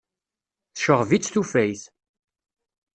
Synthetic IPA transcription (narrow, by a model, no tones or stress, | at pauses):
θʃəʁvit͡sːθufæjθ